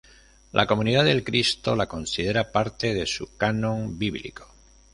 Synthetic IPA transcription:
lʔa̰ko̞mũniðaðe̞lkɾist̪o̞lako̞nsið̞e̞ɾapaɾt̪e̞ð̞e̞sukanõ̞ŋbiβlḭko̥

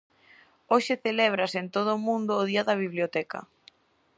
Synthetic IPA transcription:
oʃɪθelɛβ̞ɾɐsent̪oð̞ʊmũnd̪ʊːðiɐðɐβiβljot̪ɛkɐ̰

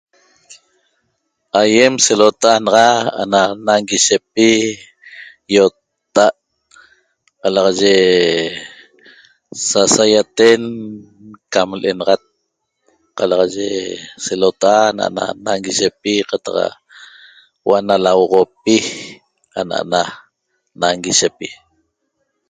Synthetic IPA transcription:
ajemselot̪aʔanɑʁɑa̰nanaŋɡiʃepi | jott̪ː | aʔ | qɑlɑʁɑʒe | sasajat̪en | kamlʔenɑʁɑt̪̚ | qɑlɑʁɑʒeselot̪aʔana̰ʔa̰na̰naŋɡiʃepiqat̪ɑq | waʔnalawʁopi | a̰na̰ʔa̰na | naŋɡiʃepi

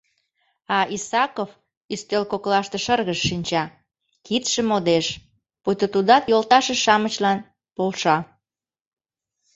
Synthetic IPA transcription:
ɑisɑkof | yst̪ølkoklɑʃt̪ĕʃərɣəʃːinʲt͡ɕɑ | kit̪ʃə̆mod̪eʃ | pujt̪ət̪ud̪ɑt̪jolt̪ɑʃeʃɑmət͡ɕlɑn | polʃɑ

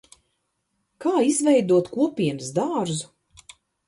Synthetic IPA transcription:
kaːizvɛjd̪uɔt̪kuɔpʲiɛmsd̪aːɾzu

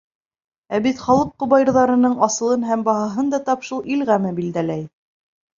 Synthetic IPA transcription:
æbit̪χɑlˠɤqːŏβɑjɾðɑɾɤ̆nɤɴɑsɤ̆lˠɤnɦæmbɑɦɑɦɤnd̪ɑt̪ɑpʃulˠʔilʁæmɘbild̪ælæj

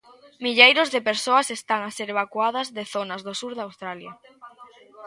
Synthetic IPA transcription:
miʎejɾozðepeɾsoɐsest̪aŋaseɾeβakwað̞ɐzðeθonɐzðosuɾðawst̪ɾaljɐ

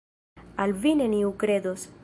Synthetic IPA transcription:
alvineniukɾe̞d̪os

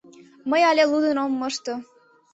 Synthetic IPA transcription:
məjɑlʲelud̪ə̆nomːɤʃt̪o

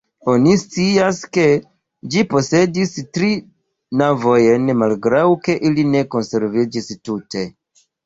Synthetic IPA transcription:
o̞nist͡siaske̞ | d͡ʒipo̞se̞distɾi | navo̞je̞nmalɡɾawke̞ʔiline̞ko̞nse̞ɾvid͡ʒistute̞

